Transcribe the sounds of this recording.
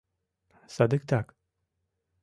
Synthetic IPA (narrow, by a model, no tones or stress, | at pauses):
sad̪ɨkt̪ʰak